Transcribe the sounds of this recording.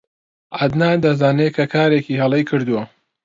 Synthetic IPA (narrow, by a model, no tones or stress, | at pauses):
ʔad̪naːnd̪ɐzaːneːkʰɐkʰaːɾeːkiːhɐlˠejkʰɨɾd̪uwɐ